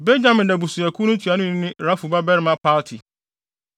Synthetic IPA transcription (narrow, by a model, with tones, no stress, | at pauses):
bɛ˦d͡ʑã˨mɪ̃˨ndɛ˨bu˨su˨æ˨kʰu˦nʊ̃˦tʰɥa˨nʊ̃˦ɪ̃˦nɪ̃˦ɾa˦fu˨ba˦bɛ˦ɾɪ˦mã˦pʰa˦ltʰi˨